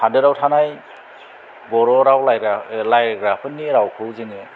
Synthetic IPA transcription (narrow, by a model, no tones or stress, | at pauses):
andɯɾawtʰanaj | bɔɾɔɾawlajɾalajɾɡɾapʰɯnːiɾawkʰɯwzɯŋɯ